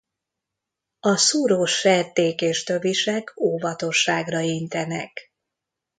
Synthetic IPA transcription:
ɒsuːɾoːʃːɛrt̪eːkeːʃt̪øviʃɛkʰoːvɒt̪o̞ʃːaːɡrɒint̪ɛnɛ̰k

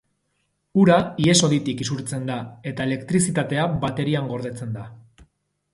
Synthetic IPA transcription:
uɾaie̞so̞ðit̪ikisuɾt͡se̞nd̪ae̞t̪ae̞lekt̪ɾis̬it̪at̪e̞abat̪e̞ɾiaŋɡo̞ɾðe̞t͡se̞nd̪a

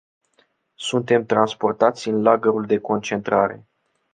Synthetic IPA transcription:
sunt̪e̞mt̪ɾanspo̞rt̪at̪sʲɨnlaɡəɾuld̪e̞ko̞nt͡ʃe̞nt̪ɾaɾe̞̰

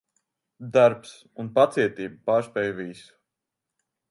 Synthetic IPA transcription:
d̪aɾps | unpat̪siɛt̪iːbupaːɾspɛːjvisu̥

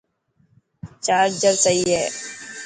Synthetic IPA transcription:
t͡ʃaːɾd͡ʒəɾsəɦiːɦɛː

